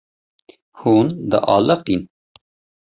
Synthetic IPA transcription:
huːnd̪a̰ʔɑːlɐqin

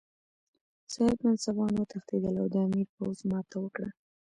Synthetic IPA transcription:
sɑhɪb̪mansabɑnwət̪axt̪ed̪əlawd̪əamiɾpowzmɑt̪awəkɽə

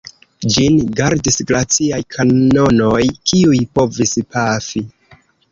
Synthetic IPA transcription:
d͡ʒinɡaɾdisɡɾat͡siajkʰano̞no̞jkʰiujpo̞vispafi

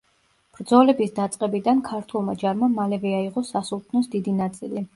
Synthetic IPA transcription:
b̥ɾd̪zɔlɛbisd̪at̪sʼqʼɛbid̪ankʰaɾt̪ʰulˠma̰d͡ʒaɾmamalɛvɛaiʁʼɔsasulˠt̪ʰnɔsd̪id̪inat̪sʼili

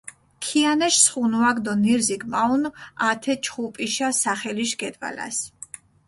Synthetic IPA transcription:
kʰianɛʃsχunuaɡd̪ɔniɾziɡmaunat̪ʰɛt͡ʃʰχupʼiʃasaχɛliʃɡɛd̪va̰la̰s

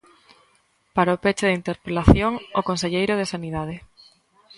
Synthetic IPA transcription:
paɾaopet͡ʃɪðint̪eɾpelaθjoŋokonseʎejɾoð̞esaniðað̞ɪ

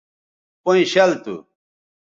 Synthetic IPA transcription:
poĩɕɐlt̪ṵ

